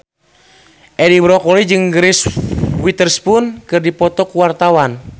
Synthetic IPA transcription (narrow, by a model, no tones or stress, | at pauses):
ʔɛdiwɾɔkɔlid͡ʒɨŋɡɾiswit̪ərspunkɨrdipɔt̪ɔkuwart̪awan